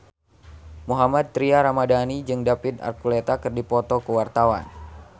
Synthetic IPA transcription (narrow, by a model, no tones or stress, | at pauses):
muɦamad̪̚t̪ɾiaɾamadanid͡ʒɨŋdapit̪a̰rkulet̪akɨrdipɔt̪ɔkəwart̪awa̰n